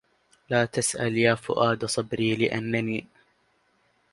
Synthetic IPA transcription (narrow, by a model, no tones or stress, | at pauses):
laːt̪asʔaljaːfʊ̰ʔaːd̪sˤɑbɾiːlɪʔa̰nːaniː